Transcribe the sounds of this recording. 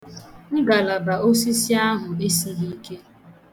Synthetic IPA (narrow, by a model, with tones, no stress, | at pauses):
ŋ̩˦ɡa˨la˨ba˨o˦s̬i˦si˦a˦ɦʊ˨e˦si˨ni˦ke˦